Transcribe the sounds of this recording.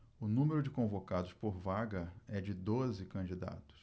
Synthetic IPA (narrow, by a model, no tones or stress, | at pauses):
ʊnũmeɾʊd͡ʒɪkõvokad̪ʊspoɾvaɡɐɛd͡ʒɪd̪ozɪkɐ̃d͡ʒid̪a̰t̪ʊ̥s